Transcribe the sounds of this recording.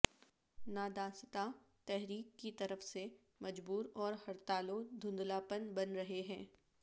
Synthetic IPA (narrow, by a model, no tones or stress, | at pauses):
naːd̪ãːst̪at̪ɛɦɾiːkːit̪ɐɾəfse | mɐd͡ʒbuːɾɔːɾhɐɾt̪aːlod̪ʱʊ̃nd̪laːpənbɐnɾɐɦeɦɛ̃ː